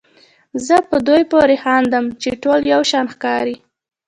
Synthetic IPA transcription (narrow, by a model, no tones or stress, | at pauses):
zəpəd̪ojpoɾexɑnd̪əmt͡ʃeʈoljawʃɑnxkɑɾi